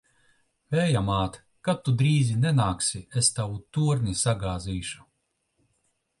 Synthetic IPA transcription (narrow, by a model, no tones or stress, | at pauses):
vɛːjamaːt̪ | kat̪ːud̪ɾiːzinɛnaːksʲiest̪awut̪uɔɾnisaɡaːziːʃu̥